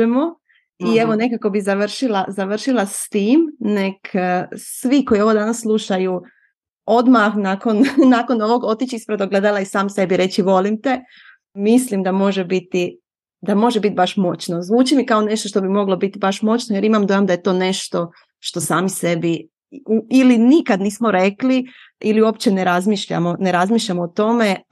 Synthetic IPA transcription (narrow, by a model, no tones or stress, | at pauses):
emo | ie̞ʋo̞ne̞kako̞bizaʋr̩ʃilazaʋr̩ʃilˠast̪iːmne̞ksʋiko̞ioʋod̪anasːlˠuʃaju | o̞d̪maxnaːko̞nnaːko̞no̞ʋo̞ɡo̞t̪it͡ɕispɾed̪oɡle̞d̪alˠaisaːmse̞biɾe̞t͡ɕiʋo̞limt̪e̞ | mislimd̪amo̞ʒebit̪i | d̪amo̞ʒebit̪̚baʃmo̞t͡ɕno̞zʋuːt͡ʃimikaone̞ʃt̪oʃt̪o̞bimo̞ɡlˠo̞bit̪ibaʃmo̞t͡ɕnoje̞ɾimamd̪ojamd̪ajet̪o̞ːne̞ʃt̪o̞ | ʃt̪o̞saːmise̞bi | uilinikad̪niːsmoɾe̞kli | iliuo̞pt͡ɕe̞neɾazmiʃʎa̰mo̞ne̞ɾazmiːʃʎamoːt̪o̞me̞